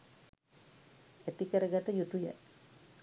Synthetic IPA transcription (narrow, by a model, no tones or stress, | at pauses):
et̪ikəɾəɡat̪əjut̪ujə̰